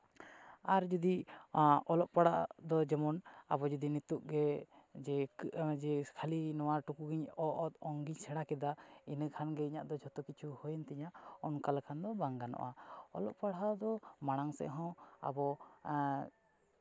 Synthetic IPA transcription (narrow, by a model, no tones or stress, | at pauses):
aɾd͡ʒud̪i | ɔlɔʔpaɽa̰d̪ɔd͡ʒɛmɔna̰bɔd͡ʒud̪init̪uʔ̚ɡɛ | d͡ʒɛd͡ʒɛkʰalinɔwaɾʈukuɡiɲɔʔɔt̪ɔŋɡiɲsɛɽakɛd̪ainəkʰanɡɛiɲaʔd̪ɔd͡ʒʱɔt̪ɔkit͡ʃʰuhɔjnt̪ɛɲaɔnkalkʰand̪ɔbaŋɡanɔ̰ʔa̰ɔ̰lɔ̰ʔpaɽad̪ɔmaɽ̃aŋsɛ̰ʔɦɔ̃a̰bɔ